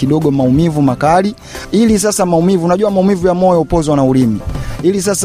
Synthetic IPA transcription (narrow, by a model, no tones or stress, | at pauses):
kiɗɔɠɔmaumivumakali | ilis̬asamaumivunaʄuamaumivujamɔjɔupɔzwanaulimiilis̬as